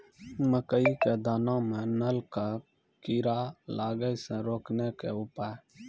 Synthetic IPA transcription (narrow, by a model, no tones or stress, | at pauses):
məkəiːkeːd̪aːnãːmẽnəlkaː | kiːɾaːlaːɡəisẽːɾoːkneːkeʊpaː